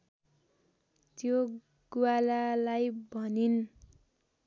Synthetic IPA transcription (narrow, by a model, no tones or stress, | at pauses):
t̪jo | ɡ̥uwalalajbʱʌnin